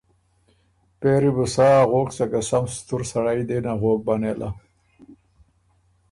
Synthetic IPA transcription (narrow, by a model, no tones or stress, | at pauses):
peɾibusaɣoːksakasamst̪uɾsaɽajd̪enaɣoːk̚banelʔa